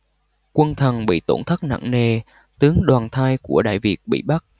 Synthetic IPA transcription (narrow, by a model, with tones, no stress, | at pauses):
kwə˧nt̪ʰə˨˩nɓḭ˧˨t̪o̰˧˩nt̪ʰə˦˥k̚na̰˧˨ŋne˨˩ | t̪ɨ˨˦əŋɗwaː˨˩nt̪ʰaː˧jku˧˩əɗa̰ː˧˨jvi˨˩ək̚ɓḭ˧˨ɓa˦˥t̚